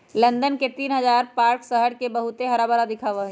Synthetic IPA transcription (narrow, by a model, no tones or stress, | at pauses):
lə̃nd̪ənket̪iːnɦəzaːɾpaːɾksəɦəɽkebəɦut̪eɦɐɾaːbəɾad̪ɪkʰaːʋaɦɛ